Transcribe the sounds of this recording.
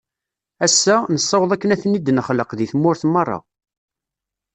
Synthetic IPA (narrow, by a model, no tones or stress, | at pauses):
æsːænəsˤːɑwəðˤækːənæθənːid̪ənχləqðiθmːʊɾθmɑrˤːɑ̰